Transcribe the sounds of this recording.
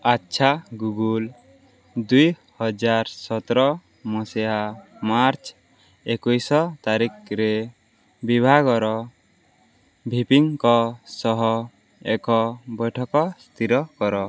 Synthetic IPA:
atːʃʰaɡuɡul | d̪ujhɔd͡ʒaɾsɔt̪ɾɔ | mɔsɛamaɾt͡ʃʰ | ekujsɔt̪aɾikɾe | bibʱaɡɔɾɔ | bʱipiŋkɔsɔɦɔ | ɛkɔbɔjʈʰɔkɔst̪ʰiɾɔkɔɾɔ

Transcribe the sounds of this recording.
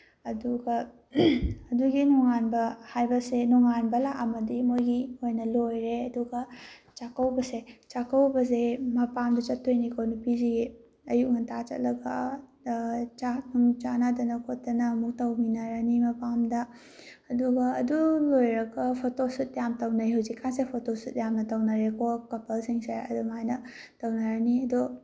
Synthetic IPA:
ɐduɡɐ | ɐduɡinɔŋanbɐhajbɐsenɔŋanbɐlaʔɐmɐdimojɡiojnɐlojɾeɐduɡɐt͡ʃakɐwbɐset͡ʃakɐwbɐsemɐpamdɐt͡ʃɐtʰːojnikʰownupizi | ɐjuk̚nɐtʰat͡ʃɐ̰t̚lɐɡa | t͡ʃanuŋt͡ʃanadɐnɐkʰot̚ːɐnɐmuk̚tɐwminaɾanimɐpamdɐː | duɡɐːdulojɾɐɡɐpʰotosut̚jamtɐwnajɦawzikʰːansepʰotosut̚jamnɐtɐwnaɾekokɐpɐlsiŋseɐ̰dumajnɐ | tɐwnaɾaniɐdu

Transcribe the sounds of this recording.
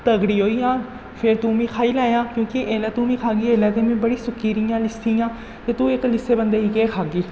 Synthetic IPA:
t̪əɡɽiːɦoːiːjãː | pʰɪɾt̪ũːmĩːkʰaːiːlaːjãːkjõːkɪʔeːlaːt̪ũːmĩːkʰaːɡiːeːlaːt̪eːmẽːbəɽiːsʊkːiːɾijãːlɪsiːjãː | t̪eːt̪ũːɪklɪseːbənd̪eːɦiːkeːkʰaːɡiː

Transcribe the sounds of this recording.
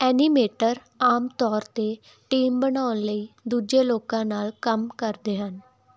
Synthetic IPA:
ɛːniːmeːʈəɾ | aːmt̪ɔːɾt̪eː | ʈiːmbənaːʊnləiːd̪uːd͡ʒeːloːkãːnaːlkəmkəɾd̪eːɦən

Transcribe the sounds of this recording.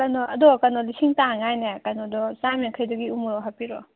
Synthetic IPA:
kanɔɐdɔkanɔlisiŋtaŋajnekanɔdɔsamikʰəjdɔɡiumuɾɔɦapiɾɔ

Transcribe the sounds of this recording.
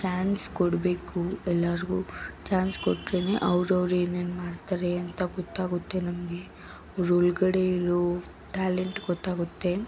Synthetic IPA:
t͡ʃaːnskɔɽbe̞ːkuɛlːaɾɡut͡ʃaːnskɔʈːɾeːneʔɐʋɾɐʋɾeːneːnmaːɽt̪aːɾeɐnt̪ɐɡɔt̪ːaːɡut̪ːe̞nɐmɐɡe̞ | ɐʋɾuluɡɐɽeiɾo | ʈaːleɳʈɡɔt̪ːaːɡut̪ːe̞

